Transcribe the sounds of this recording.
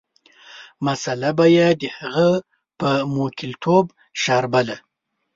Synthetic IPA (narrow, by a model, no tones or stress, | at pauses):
masalabajed̪əhaɣa | pəmokɪlt̪ʰob | ʃɑɾbala